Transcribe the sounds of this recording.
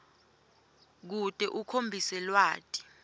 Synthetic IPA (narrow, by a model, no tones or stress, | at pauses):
k̬utʼɛʔukʰombʱisɛlwaːtʼi̥